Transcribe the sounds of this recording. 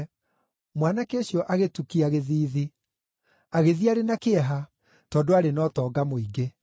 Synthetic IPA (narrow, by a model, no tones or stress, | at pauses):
mwanakeɕjɔʔaɣetukiaɣeðiːði | aɣeðiaɾenakeɛɦa | tɔːdoaɾenɔtɔːɡamoiɡe